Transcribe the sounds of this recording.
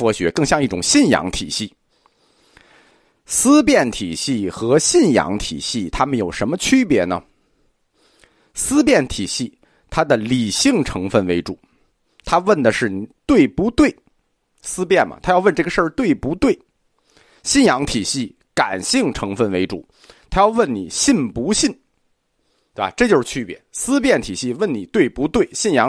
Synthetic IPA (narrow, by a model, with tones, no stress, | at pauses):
fwɔ˧˥ɕɥɛ˧˥kɤ˥˧ŋɕjɑ˥˧ŋi˥˩ʈ͡ʂʊ˨˩ŋɕi˥˩njɑ̰˧˥ŋt̪ʰi˨˩ɕi˥˩ | sɹ̩˥pjɛ˥˩nt̪ʰi˨˩ɕi˥˩xɤ˧˥ɕi˥˩njɑ̰˧˥ŋt̪ʰḭ˨˩ɕi˥˩t̪ʰa˥mə˨njo˨˩ʊʂə˧˥nmə˧t͡ɕʰy˥pjɛ˧˥nə̰˨ | sɹ̩˥pjɛ˥˩nt̪ʰi˨˩ɕi˥˩ | t̪ʰa˥d̪ə˨li˨˩ɕi˥˩ŋʈ͡ʂʰɤ˧˥ŋfə˥˩nwe˧˥ɪʈ͡ʂṵ˨˩˦ | t̪ʰa˥wə˥˩nd̪ə˩ʂɻ̩˥˩ni˨˩t̪we˥˩ɪpu˧˥t̪we˥˩ɪ | sɹ̩˥pjɛ˥˩nmɐ̰˩t̪ʰa˥jɑ˥˧ʊwə˥˧nʈ͡ʂɤ˥˩ɡə˩ʂə˞˥˧t̪we˥˩ɪpu˧˥t̪we˥˩ɪ | ɕi˥˩njɑ˧˥ŋt̪ʰi˨˩ɕi˥˩ | ka˨˩nɕi˥˩ŋʈ͡ʂʰɤ˧˥ŋfə˥˩nwe˧˥ɪʈ͡ʂu˨˩˦ | t̪ʰa˥jɑ˥˧ʊwə˥˩nnḭ˨˩ɕi˥˩npu˧˥ɕi˥˩n | t̪we˥˩ba̰˧˩ʈ͡ʂɤ˥˩t͡ɕjo˥˧ʊʂɻ̩˥˧˩t͡ɕʰy˥pjɛ˧˥sɹ̩˥p̬jɛ˥˩nt̪ʰi˨˩ɕi˥˧wə˥˩nni˨˩t̪we˥˩ɪpu˧˥t̪we˥˩ɪɕi˥˩njɑ˧˥